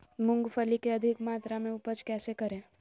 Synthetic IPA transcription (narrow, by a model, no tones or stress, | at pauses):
mʊ̃ŋɡfʰəlikeɐd̪ʱɪkmaːt̪ɾamẽʊpət͡ʃkɛːsekɐɾẽː